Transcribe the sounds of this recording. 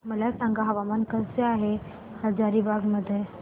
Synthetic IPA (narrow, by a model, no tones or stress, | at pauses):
məlasãŋɡaɦəʋamankəsseaɦe | ɾəd͡zaɾibʱaɡməd̪ʱːje